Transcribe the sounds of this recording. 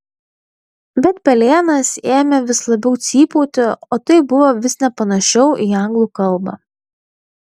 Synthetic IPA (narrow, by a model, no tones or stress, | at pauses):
bʲɛt̪pʲɛlʲeːnɐseːmʲɛʋʲɪslˠɐbʲɛʊt̪sʲiːpuːt̪ʲɪoːt̪ɐɪbʊʋoːʋʲɪsnʲɛpɐnɐʃʲɛʊʔiːɐŋɡlˠuːkɐlˠbɑ̰ː